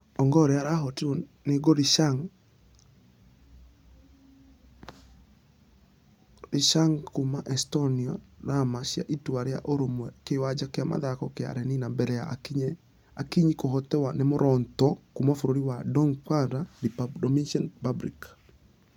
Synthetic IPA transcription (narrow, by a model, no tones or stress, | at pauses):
ɔŋɡɔɾeaɾaɦɔtiɾoneɡɔɾiʃaŋ | ɾiʃaŋkumaʔɛstɔniɔɾamaʃja̰ʔitwaɾea̰ʔoɾomɛkewad͡ʒakɪama̰ðakɔkea̰ɾɛninambɛɾɛjaɲ | akiɲikoɦɔtɛwanɛmoɾʔɔntɔkumafoɾoɾiwadɔŋpadadipdɔminʃanpabɾik